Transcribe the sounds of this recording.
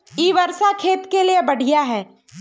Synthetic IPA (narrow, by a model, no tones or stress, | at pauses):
iːʋɐɾʃakʰeːt̪keliebɐɽ̤ʱijaɦɛː